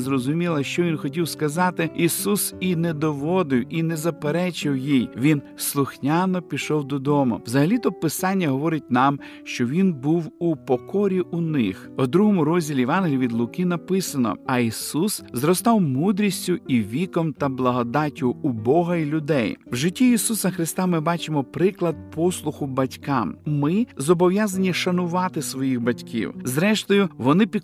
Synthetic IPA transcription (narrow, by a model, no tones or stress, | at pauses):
zrɔzʊmʲilˠɐʃt͡ʃɔʋʲinxɔtʲiwskɐzɑt̪ɪisusinɛd̪ɔʋɔd̪ɪwinezɐpeɾɛt͡ʃɪwjijʋʲin | slˠʊxnʲɑnɔpʲiʃɔwd̪ɔd̪ɔmʊ̰wzɐɦɐlʲit̪ɔpɪsɑnʲːɐɦɔʋɔɾɪt̚ʲnɑm | ʃt͡ʃɔʋʲinbuwupɔkɔɾʲiʔuʊnɪx | ɔd̪ɾuɦɔmʊɾɔzʲdʲilʲiʋɑnɦlʲʋʲid̪lˠʊkɪnɐpɪsɐnɔ̰ɐisuszɾɔst̪ɑwmud̪ɾʲisʲtʲʊiʋʲikɔmt̪ɐblˠɐɦɔd̪ɑtʲʊːbɔɦɐilʲʊd̪ɛjwʒɪtʲːiisusɐxɾɪst̪amɪbɑt͡ʃɪmɔpɾɪklˠɐd̪̚pʰɔslˠʊxʊbɐtʲkɑmmɪzɔbɔʋjazɐnʲiʃɐnʊʋɑt̪ɪsʋɔjixbɐtʲkʲʰḭwzɾɛʃt̪ɔjʊʋɔnɪpʲi